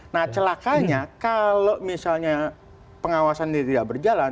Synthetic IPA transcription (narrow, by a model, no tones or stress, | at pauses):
naht͡ʃəlakaɲakalomisalɲa | pəŋawasandiat̪idaʔbərd͡ʒalan